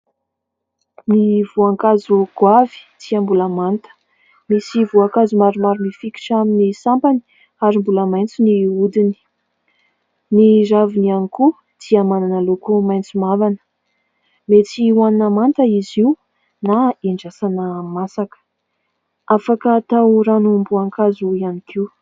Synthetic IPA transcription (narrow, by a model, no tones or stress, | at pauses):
nivuaŋkazuɡ̥wavi̥t̪iambulamant̪ə̥ | misivuakazumaɾumaɾunifiki̥ʈ͡ʂaminisampani̥ | aɾimbuləmajnt͡siniud̪ini̥ | nizavinianiku | t̪iamananalokumajnt͡simavanə̥ | met͡siwaninamant̪əiziw | naiɳɖ͡ʐasanəmasakə̥ | afakət̪awɾanumbuaŋkazuianikʰiw